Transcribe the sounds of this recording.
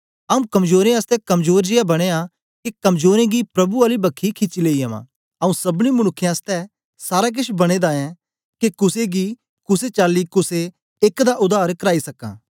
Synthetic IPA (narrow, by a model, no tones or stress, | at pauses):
ɐũkɐmzoːɾẽast̪ɛkɐmzoːɾd͡ʒɪjabɐɽ̃ea | kekɐmzoːɾẽɡipɾɐbuaːlibɐkʰːikʰɪt͡ʃileːiɐmã̰ː | ɐũsɐbɽ̃imʊɽ̃ʊkʰːjãst̪ɛ | saːɾak̬ɪʃbɐɽ̃ed̪aɛ̃ | kekʊseɡi | kʊset͡ʃaːlːikʊseː | kd̪aʔʊd̪aːɾkɐɾaːisɐkã̰ː